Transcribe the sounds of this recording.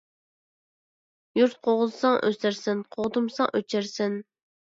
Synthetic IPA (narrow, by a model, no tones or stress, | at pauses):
juɾt̪̚qʰoʁʊzɨsɑŋʔø̰sæɾsɪnqʰoʁd̪umsɑŋʔøt͡ʃʰæɾsɪn